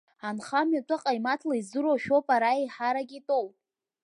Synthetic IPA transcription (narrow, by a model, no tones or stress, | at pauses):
anχamɥatʼɨqʼajmatʰlaizɨɾoʃᶣopʼaɾaiħaɾaɡʲitʼow